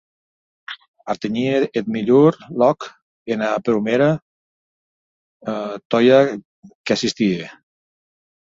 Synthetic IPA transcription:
aɾt̪eɲieet̪̚miʎuɾlɔk | enapɾumeɾa | t̪ɔja | keasist̪ie

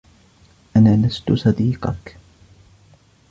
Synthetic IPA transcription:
ʔanaːlast̪ʊsˤɑd̪iːqɑ̰k

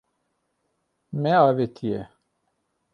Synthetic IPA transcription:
mɛaːvet̪ʰijɛ

